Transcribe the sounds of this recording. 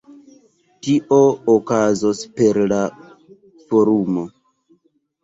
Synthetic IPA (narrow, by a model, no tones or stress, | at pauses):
tiʔookazospe̞ɾla | foɾumo̞